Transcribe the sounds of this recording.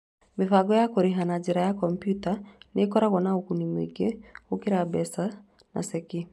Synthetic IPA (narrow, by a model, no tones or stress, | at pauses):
mefaɡɔjakoɾeɦanad͡ʒɛɾajakɔmpjutanekɔɾaɣɔnaokunimwḛɡeokeɾabɛsa | na̰sɛki